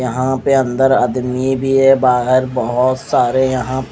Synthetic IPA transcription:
jɐɦãpeə̃nd̪əɾəd̪mibʱiɛbaːɦɪɾbəɦʊt̪saːɾejɐɦãp

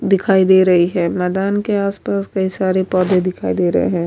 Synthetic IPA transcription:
d̪ɪkʰaːid̪eːɾɐɦiɦɛ̃ːmɛːd̪aːnkeaːspaːskɐisaːɾepɔːd̪ʱẽd̪ɪkʰaːid̪eːɾɐ̰ɦḛɦɛ̃ː

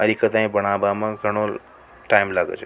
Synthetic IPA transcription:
ɐɾikət̪ãĩbɐɽ̃aːbamãɡʱɐɽ̃ol | ʈaimlaːɡə̰t͡ʃʰe

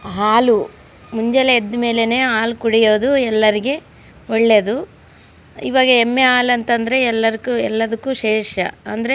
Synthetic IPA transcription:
ɦaːlu | muɲd͡ʒeleed̪ːme̞ːlene̞ːaːlkuɽejo̞ːd̪uɛlːɐɾiɡe̞ | oɭːe̞d̪u | ḭːʋaːɡɐemːeaːlɐnt̪ɐnd̪ɐɾe̞ɛlːɐɾikuɛlːɐd̪ɐkːuːʃɛːʂɐ̰ɐnd̪ɐɾe

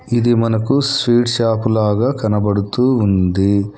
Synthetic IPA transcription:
id̪imɐnɐkuspiːʈʃaːpulaːɡaːkɐnɐbɐɽut̪uːnd̪i

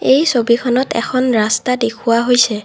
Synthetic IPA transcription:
ejsobikʰɔnɔtɛ̰kʰɔnɹastadekʰuwaɦojsɛ

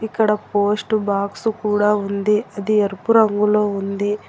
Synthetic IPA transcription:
ikːɐɽɐpoːsʈubaːksukuːɽaːund̪iɐd̪ieɾpuɾɐŋɡulo̞ːund̪i

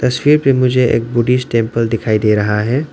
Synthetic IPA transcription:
t̪ɐswiːɾpemʊd͡ʒʱeʔḛːk̚bʊɖisʈẽːmpəld̪ɪkʰaːid̪eːɾɐɦaɦɛː

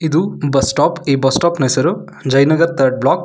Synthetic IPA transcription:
id̪ubɐsʈaːpiːbɐsʈaːpnɐsɐɾu | d͡ʒɐjnɐɡɐɾt̪ʰɐɾɖ̚blaːk

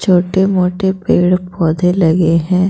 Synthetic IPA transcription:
t͡ʃʰoːʈemoːʈepeːɽpɔːd̪ʱelɐɡeɦɛ̃ː

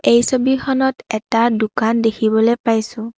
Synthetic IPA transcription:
ejsobixʰɔnɔtɛtadukandekʰibɔlojpajsʊ̃

